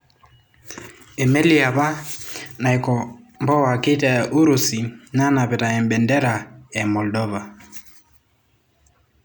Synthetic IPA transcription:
ɛ˨mɛ˦li˦a˨βa˦na˨ikɔ˨mbɔ˦wa˨ki˦ta˨ʔu˦ɾu˨si˨na˦na˨pɛ˨ta˨ɛ˨mbɛ˨ndɛ˦ɾa˨ɛ˨mɔ˨ldɔ˦va˨

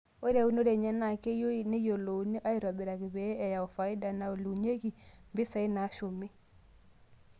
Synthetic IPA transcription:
o˦ɾa˨u˦n˦o˦ɾe˨ɲa˦na˨ke˦jo˦i˨ne˦jo˨lo˨˦ni˦ʔa˦i˦ɾa˨bi˨ɾa˨kɪ˨bɛ˨˦ɛ˨ja˨o˨fa˨i˦da˨na˨o˨lu˨ɲe˦ki˨mbɪ˦sa˨i˦na˨˦ʃo˨mi˦

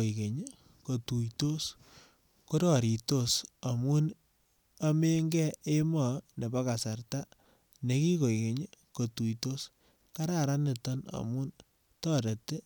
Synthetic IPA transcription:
o˨ke˨ɲ | ko˨tu˨jto˦s | ko˦ɾɔ˨ɾi˨to˦sa˨mu˦n | a˦me˦ŋɡɛ˦ʔe˦mɔ˨ne˨ba˦ka˨sa˨rta˦ | ne˨ki˦ko˨jke˨ɲko˨tu˨jto˦s | ka˦ɾa˨ɾa˦ne˨tɔ˦na̰˨mu˦n | tɔ˦ɾe˨te˦

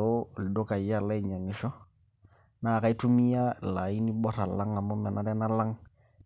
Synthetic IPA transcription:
o˦˨ldo˦ka˨ja˦la˦jɲa˨ŋɪ˨˦ʃɔ˦ | na˨ka˦i˦tu˦mi˦ja˦la˨i˦ni˦bɔ˦ɾa˨la˦ŋa˨mʊ˦mɛ˨na˨dɛ˦na˦la˦ŋ

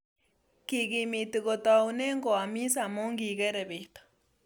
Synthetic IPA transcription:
ki˨ɣi˨mi˨t̪i˨ɣɔ˨t̪a˨u˨ne˦ŋɡɔ˨a˨mi˦sa˨mo˦ŋɡi˨ɣɛ˦ɾɛ˨βe˨t̪ḁ˨

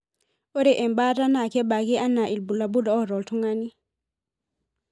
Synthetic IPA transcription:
o˦ɾɛ˨ʔɛ˨mba˦ta˦na˨kɛ˦ba˨ɡi˦ʔa˦na˨ʔi˨lbu˨la˨bu˦dɔ˨ɔ˦ɾɔ˨ltu˦ŋa˦ni˦

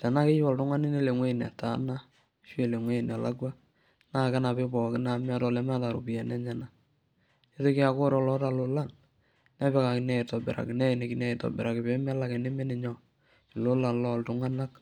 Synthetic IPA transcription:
ta˨na˦ke˦t͡ʃwɔ˨ltʊ˦ŋa˦nɪ˦ne˦le˨ŋwe˦i˨n˨a̰˨ta̰˨˦na˦ | ʃwe˦˨le˨ŋwe˦i˨n˨a˨la̰˦ɡwa˦ | na˦˨ka˦na˨be˦bɔ˨kɪ˦na˨ma˦tɔ˦˨lɛ˦m˦a˦ta˨ɾo̰˨pi˨jɛ˨nɛ˦ɲa˦na˨ | e˦te˦ki˦a˨ko˦ɾɔ˨lɔ˨˦ta˨lo˨la˦˨n | nɛ˦bɛ˦ka˨kɪ˨nɛ˦˨e˨tɔ˨bɛ̰˨ɾa̰˨kɪ˨nɛ˦e˨ne˨ki˨nɛ˦˨tɔ̰˨bɛ˨ɾa˨kɪ˨be˦mɛ˦la˦kɛ˨ne˦me˦nɪ˨ɲɔ˦ | ɪ˨lo˦la˨nlɔ˦˨ltʊ˨˦ŋa˦na˦k

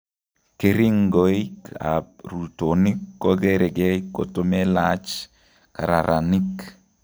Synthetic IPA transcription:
ke˦ɾi˦ŋɡo˨i˦ka̰˨ɾu˨to˨ni˦kːo˦ɡe˦ɾe˨ɡɛ˦i˦kːo˨to˦mɛ˦lat͡ʃ | ka˨ɾa̰˨ɾʔa˨ni˦k

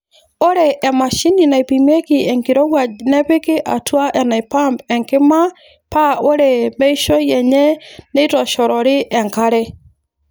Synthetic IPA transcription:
o˦ɾɛ˨ʔːma˨ʃi˦ni˨na˨i˨pi˨mɛ˦ki˨ɛ˨ŋki˨ɾɔ˦ɣwa˨nɛ˦pe˦ki˦ʔa̰˨twa˦ʔɛ˨na˨i˨pa˦mpɛ˨ŋkɪ˦ma˦ | pa˦o˦ɾɛ˨mɛ˦i˦ʃɔ˦jɛ˨ɲɛ˦ne˦i˦tɔ˨ʃɔ˨ɾɔ˨ɾɪ˦ʔɛ˨ŋka˦ɾɛ

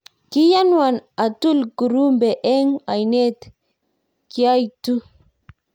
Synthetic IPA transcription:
ki˦ja˦nwa˨na˨tu˦lɡu˨ɾu˦mbe˨ʔɛ˦ŋa˨jne˦t̪ | ki˨a˦jtu˦

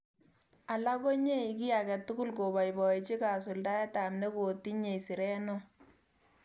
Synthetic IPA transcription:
a˨la˦ko˦ɲe˦i˨ki˦a˨kɛ˨tːu˦ɡu˦lko˨ba˨jbɔ˨e˨t͡ʃi˦ka˨s̬ʊ˨lda˦jɛ˦ta˨mne˦ko˨tːi˦ɲe˨si˨ɾɛ˦no˦

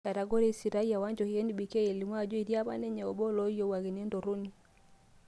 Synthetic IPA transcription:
ka˨ɾa˨ɡɔ˦ɾɛ˦si˨ɾa˦i˦a˨wa˦ɲd͡ʒɔ˨hi˨ɛ˦ni˨ɓi˨kɛ˦e˨li˨mwa˦˨d͡ʒɔ˦i˨ɾi˦a˦βa̰˦nɛ˦ɲɛ˨ɔ˨ɓɔ˦lɔ˦jɔ˦wa˨ɣi˨n˦ɛ˦ndɔ˨ɾu˦ni˦

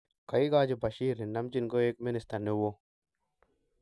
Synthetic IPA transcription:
ka˨i˦ɡaː˦d͡ʒi˨ba˨ʃiː˦ɾni˨na˦md͡ʒi˦nɡo˦e˦k̚mɪ˦nɪ˨st̪a˨ɾne˦wo˦

